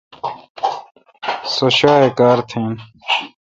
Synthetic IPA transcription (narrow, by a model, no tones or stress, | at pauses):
soɕaːekaːɾt̪ʰẽːn